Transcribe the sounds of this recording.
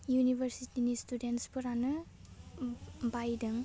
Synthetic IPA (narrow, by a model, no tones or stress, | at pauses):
junibʱəɾsitinistudentspuɾanɯ | bajdɯŋ